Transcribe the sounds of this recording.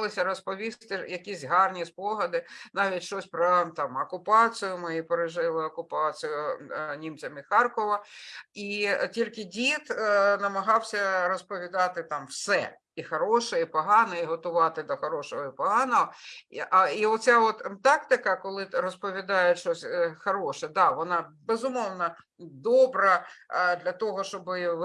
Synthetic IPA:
lˠɪsʲɐɾɔspɔʋʲist̪ɪjɐkʲisʲɦɑrnʲispɔɦɐd̪ɪnɑʋʲitʲʃt͡ʃɔsʲpɾɐt̪ɑmɐkʊpɑt͡s̪ɨjʊmɪipeɾɪʒɪlˠɪɔkʊpɑt͡ssɨjʊnʲimt͡sʲɐmixɑrkɔʋɐitʲilʲkɪdʲit̪nɐmɐɦɑwsʲɐɾɔspɔʋʲid̪ɑt̪ɪt̪ɑmwsɛ̰ | ixɐɾɔʃɛipɔɦɑnɐiɦɔt̪ʊʋɑt̪ɪd̪ɐxɐɾɔʃɔɦɔipɔɦɑnɔɦɔʔiɔtt͡sʲaʋɔt̪t̪ɑkt̪ɪkɐkɔlˠɪɾɔspɔʋʲid̪ɑjɛʃt͡ʃɔsʲxɐɾɔʃɛd̪ɑʋɔnɑbezʊmɔwnɐ | d̪ɔbɾɐd̪lʲɐt̪ɔɦɔʃt͡ʃɔbɪʋ

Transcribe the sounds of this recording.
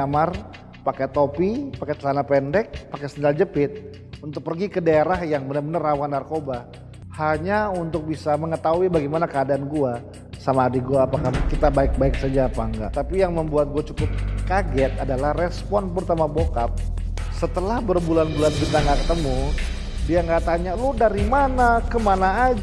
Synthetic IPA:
amar | pakɛt̪opipakɛt͡ʃəlanapɛndɛk̚pakɛsənald͡ʒəpɪt̪̚ | unt̪ʊk̚pərɡikədaeɾahjaŋbənərbənərawanːarkoba | haɲaunt̪ʊk̚bisaməŋət̪aɦuibaɡimanakəadaːnɡua | samaːdaɡuaːpakakit̪abaɪk̚baɪk̚sad͡ʒaːpaŋɡa̰ʔt̪apijaŋməmbuat̪̚ɡuat͡ʃukʊp̚kaɡɛt̪̚adalahrɛspɔnpəɾut̪amabokap̚ | sət̪əlahbərbulanbulankit̪aŋɡaʔkət̪əmu | diaŋɡaʔt̪aɲalʊdaɾimanakəmanaːd͡ʒ

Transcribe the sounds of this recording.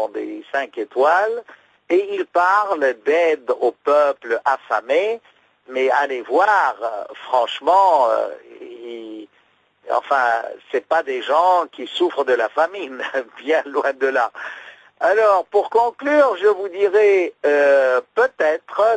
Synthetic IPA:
d̪ḛsɛ̃ket̪wal | eilpaʁld̪ɛd̪opœplafame | mɛalevwaʁfχɑ̃ʃmɑ̃ø̰i | ɑ̰̃fɛ̃sɛpad̪eʒɑ̃kʲisufχd̪əlafaminbjɛ̃lwɛ̃d̪əla | alɔʁpuʁkɔ̃klyːʁʒəvud̪iʁɛøpøt̪ɛt̪χə

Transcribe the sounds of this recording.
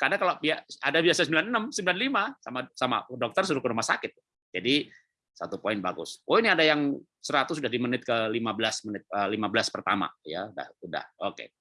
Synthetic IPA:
kadakalobiaadabiasasəmbilanənəmsəmbilanlimasa̰masama̰dɔk̚t̪ərsuɾʊkəɾumasakɪt̪̚ | d͡ʒadi | sat̪upoɪnbaɡʊ̰swʔoiniadajaŋ | səɾat̪us̬udahdimənɪt̪̚kəlimabəlasmənɪt̪̚əlimabəlaspərt̪ama̰ja̰uda̰huda̰hokḛ

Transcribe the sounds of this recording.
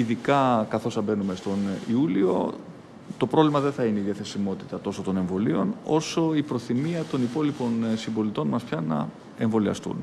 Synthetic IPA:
iðikɐkɐθo̞sɐbe̞nume̞st̪o̞niulio̞̰ | t̪o̞pɾo̞vlimɐðe̞nθɐine̞iðjɐθe̞simo̞t̪it̪ɐt̪o̞sot̪o̞ne̞ɱvo̞lio̞̰no̞so̞ipɾo̞θimiɐt̪o̞nipo̞lipo̞nsimbo̞lit̪o̞nmɐspçɐnɐ̰ | e̞ɱvo̞liɐ̰st̪ṵn

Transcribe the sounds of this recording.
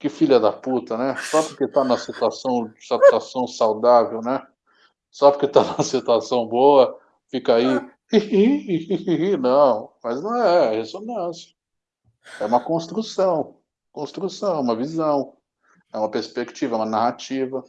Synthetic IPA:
kɪfiʎɛd̪ɐput̪ɐnɛsɔpʊɾket̪anumɐsit̪uasɐ̃w̃ɪsat̪uasɐ̃w̃sawd̪avewnɛ | sɔpʊɾket̪anũmɐsit̪uasɐ̃w̃boɐ | fikai | i | nɐ̃w̃mɐznɐ̃w̃ɛhesonɐ̃sjɐ̥ | ɛũmɐkõst̪ɾusɐ̃w̃ | kõst̪ɾusɐ̃w̃ɛũmɐvizɐ̃w̃ | ɛũmɐpeɾspekt͡ʃivɐɛũmɐnahat͡ʃivɐ

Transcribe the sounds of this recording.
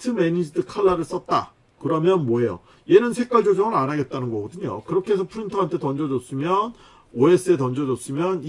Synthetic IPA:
tʰɯmeɲid͡ʑidɯkʰaɭːaɾɯɭs͈ʌt̚t͈a̰ | kɯɾʌmjʌnmwʌɦe̞jo̰ | je̞nɯnsʰe̞k͈aɭd͡ʑod͡ʑʌŋɯɾanaɡe̞t̚t͈anɯnɡʌɡʌdɯɲo̰kɯɾʌkʰeɦesʰʌpʰuɾintʰoɦantʰe̞tʌnd͡ʑʌd͡ʑʌs͈ɯmjʌn | oes͈ɯe̞tʌnd͡ʑʌd͡ʑʌs͈ɯmjʌn

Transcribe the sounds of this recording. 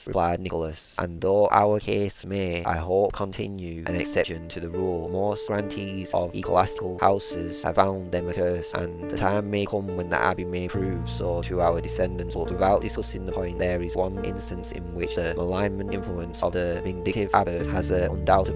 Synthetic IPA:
ɹɨpl̥aɪdⁿnɪkl̩ˠəsʔə̰̃nðoʊʔa̰ʊə˞kʰeɪsmeɪʔa̰ɪɦoʊp̚kʰə̃ntʰɪ̃njʉʔɨ̰̃nɨ̰ksɛpʃɨ̃ntʰɨðɨɹulˠmɔsɡ̥ɹãntʰizʌvḭkʰə̰la̰stɨkl̩ˠha̰ʊsɪ̰z̥ə̰v̥fãʊ̃nðɨ̃mɨkʰɜ˞sʔə̰̃nðɨtʰãɪ̃mːeɪkʰʊ̃mwə̃nðḭʔa̰bimeɪpʰɹ̥ʉvsotʰɨaʊə˞dɨsɛ̃ndɨ̃ntsbʌtwɪðaʊt̚d̥ɨskʌsɪ̃ŋðəpʰɔ̃ɪ̃nʔðə˞ɪzwʌ̃nɪ̰̃nstɨ̃nsɪ̰̃nwɪt͡ʃðɨmʔəlãɪ̃mɨ̃nɪ̃ɱfluə̃nsʌ̰vðɨvɨ̃ndɪtɪv̥abət̚əzɨʌ̰̃ndaʊtɨ

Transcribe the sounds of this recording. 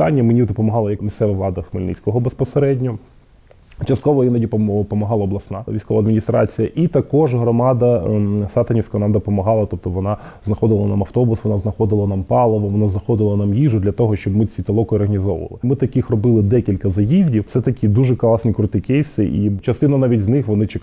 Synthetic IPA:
ɑnʲːɐmenʲid̪ɔpɔmɔɦɑlˠɐjɐkmʲist̪sɛʋɐʋlˠɑd̪ɐxmɪlʲnɪ̰t͡sʲkɔɦɔbespɔseɾɛdʲnʲɔ | t͡ʃɐst̪kɔʋɔinɐdʲippɔmɐɦɑlˠɐɔblˠɐsnɑʋʲijsʲkɔʋɐːd̪mʲɪnʲist̪ɾɑ̰t͡sʲijɐʔit̪ɐkɔʒɦɾɔmɑd̪ɐsɑt̪ɐnʲifsʲkɐʋɔnɑmd̪ɔpɔmɐɦɑlˠɐt̪ɔp̚t̪ɔʋɔnɑznɐxɔd̪ɪlˠɐnamɐft̪ɔbʊsʋɔnɑznɐxɔd̪ɪlˠɐnɑmpɑlˠɔʋɔʋɔnaznɐxɔd̪ɪlˠɐnɑmjiʒʊd̪lʲɐt̪ɔɦɔʃt͡ʃɔbmɪt͡sʲit̪ɐlˠɔkʊɔrɦɐnʲizɔʋ̰ʋ̰ɐ̰lˠɪmɪt̪ɐkɪxrɔbɪlˠɪd̪ɛkʲilʲkɐzɐjizʲdʲiwt̪sɛt̪ɐkʲid̪uʒɛklˠɑsnʲikɾʊt̪ɪkɛjsɪʔit͡ʃɐst̪ɪnɐnɑʋʲitʲznɪxʋɔnɪt͡ʃɪ

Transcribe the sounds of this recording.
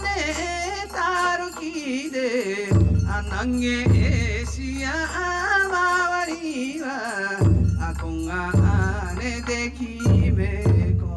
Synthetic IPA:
ne | t̪aɾukid̪e | anaŋːeʔeɕia | maβaɾiwa | akoŋːaʔanet̪ekimeko

